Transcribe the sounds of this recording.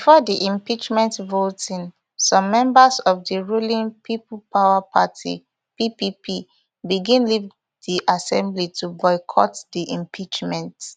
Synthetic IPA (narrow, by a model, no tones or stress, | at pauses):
bifɔdiʔĩmpit͡ʃmɛ̃ntvotĩn | sɔ̃mːɛ̃mbəsɔfdiɹulĩŋpʰiplpawapʰa̰tʰḭ | pipipʰi | biɡĩnliv | diʔasɛ̃mblitʰubɔɪkʰɔ̰tdiʔĩmpʰit͡ʃmɛ̃nt